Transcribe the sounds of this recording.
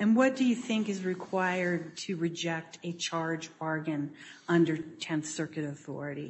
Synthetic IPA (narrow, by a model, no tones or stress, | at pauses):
ɨ̃nwʌt̚d̥ɨjɨθɪ̃ŋkɨzɹɨkʰw̥aɪə˞d̚tʰɨɹɨd͡ʒɛk̚tʰɨt͡ʃʰɑɹd͡ʒɔɹɡɨ̃n | ʌ̃ndə˞tʰɛ̃nθsɜ˞kɨɾɨθɔ̰ɹɨɾi